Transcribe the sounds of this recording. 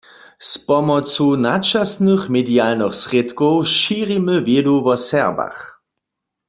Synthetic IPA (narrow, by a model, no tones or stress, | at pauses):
spɔmɔt͡sunat͡ʃasnɨχmɛdialnəχsʁet̪kɔwʃiːʁiməvjeduvɔsɛʁba̰χ